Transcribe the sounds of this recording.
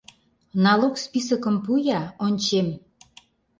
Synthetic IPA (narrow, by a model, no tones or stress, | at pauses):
nɑlokspisəkə̆mpujɑonʲt͡ɕem